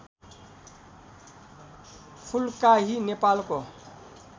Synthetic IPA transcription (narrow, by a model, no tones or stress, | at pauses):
pʰʊlkaɦinepaːlko